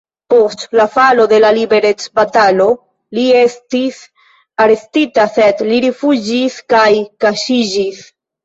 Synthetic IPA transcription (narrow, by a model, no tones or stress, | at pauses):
po̞stlafalo̞d̪e̞lalibe̞ɾe̞t͡sbatalo̞ | lie̞stis | aɾe̞stitase̞dliɾifud͡ʒiskajkaʃid͡ʒis